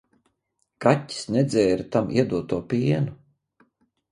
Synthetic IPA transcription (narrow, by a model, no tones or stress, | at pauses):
katʲːi̥snɛd̪zɛːɾit̪amʔḭɛd̪uɔt̪uɔpiːɛnu